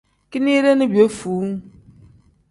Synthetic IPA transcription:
ki˦ni˦ɾe˦nɪ˦bi˨o˦fuː˨˦ŋ˦

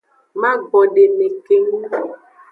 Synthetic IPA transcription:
mã˦ɡ͡bɔ˨ɖe˨ne˨ke˨ŋu˦˨

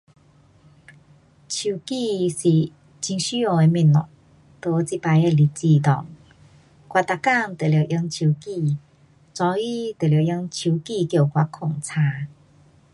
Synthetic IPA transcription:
t͡ɕʰu˨˩ki˧si˨˩ | t͡ɕi˧ŋɕy˦o˧e˧mĩ˧˩nɔ̰˨ŋ | t̪o˧t͡si˦˥pa˧je˧li˧t͡ɕi˧˨t̪ɔ̰˨˩ŋ | kwa˧t̪a˨ka˥˧ŋt̪e˨lje˨˩ʔi˧˦ŋt͡ɕʰu˧˨ki˥˧ | t͡sɔ˧i˦t̪e˨˩lje˨˧˩jə˧˦ŋt͡ɕʰu˧˦ki˥˧˨kjo˥˧˩kwa˧˦kʰo˨˩ŋt͡sʰa˧˦

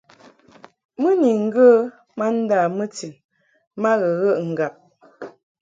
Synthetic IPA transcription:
mə˦ni˨ŋ̩˦ɡə˦ | ma˦n̩˦da˦˨mə˦ti˨ | ma˦ɣə˨ɣə˦ʔŋ̩˨ɡa˨p̚

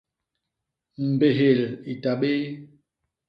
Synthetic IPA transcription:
m̩˨be˨ɦe˨li˨ta˨ɓe˦

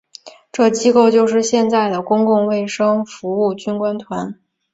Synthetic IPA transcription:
ʈ͡ʂɤ˥˩t͡ɕi˥ko˥˧ʊt͡ɕjo˥˧ʊʂɻ̩˥˧ɕjɛ˥˧nt͡sa˥˩ɪd̪ə˩kʊ˥ŋkʊ˥˧ŋwe˥˩ɪʂɤ˥ŋfu˧˥u˥˩t͡ɕy˥nkwa˥nt̪ʰwa˧˥n

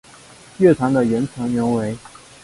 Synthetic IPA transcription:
ɥɛ˥˩t̪ʰɑ˧˥ŋd̪ə˨ɥɛ˧˥nt͡sʰɤ˧˥ŋɥɛ˧˥nwe˧˥ɪ

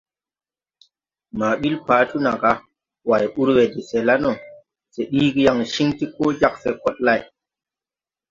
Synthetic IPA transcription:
ma˨ɓi˦lpaː˨˦tu˦na˨ɡa˦ | wa˨ju˦ɾwe˨di˨se˨la˦no˨ | se˨ɗiː˦ɡi˦ja˨ŋʃi˦ŋti˦koː˦d͡ʒa˦k̚se˨kɔ˦t̚la˦˨j

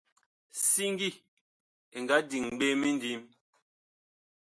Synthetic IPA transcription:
si˦ŋ˦ɡi˦˨ | e˨ŋɡa˦di˨ŋɓe˦mi˦n˦di˨˦m

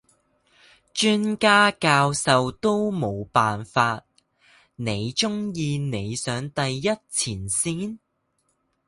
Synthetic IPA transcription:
t͡ʃyː˥nkaː˥kaː˧wsɐ˨wt̪o˥wmo˨˧wpaː˨nfaː˧t̚ | ne˨˧jt͡ʃʊ˥ŋjiː˧ne˨˧jsœː˨˧ŋt̪ɐ˨jːɐ˥t̚t͡sʰiː˨˩nsiː˥n

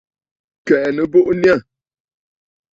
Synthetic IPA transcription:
kɛ˨ʔnə˦bo˦ʔnja˦˨

